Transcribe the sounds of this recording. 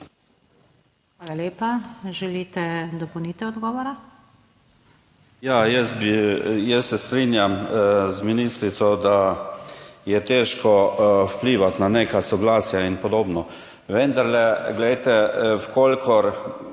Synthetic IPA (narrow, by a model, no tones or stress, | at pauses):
xʋaːlaleːpaʒɛlit̪ɛd̪ɔpɔwnit̪ɛɔd̪ɡɔʋɔɾa | jajɛsbijɛsːɛst̪ɾinjamzminiːst̪ɾit̪sɔd̪a | jɛt̪eʃkɔwpliːʋat̪naneːkasɔɡlaːsjainpɔd̪oːbnɔ | ʋɛnd̪aɾlɛɡlɛjt̪ɛwkolkʰɔɾ